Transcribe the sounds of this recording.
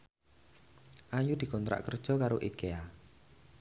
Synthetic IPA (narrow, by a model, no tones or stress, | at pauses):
ʔajud̪̥i̤kɔnt̪ɾa̰ʔkərd̥ʒ̥ɔ̤kaɾoʔikea